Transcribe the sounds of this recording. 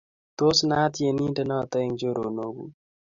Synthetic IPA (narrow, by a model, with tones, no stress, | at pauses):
t̪o˦sna˦t̪je˨ni˦ntɛ˦nɔ˦˨t̪ɛ˦ŋd͡ʒo˦ɾo˨no˦ɡṵ˨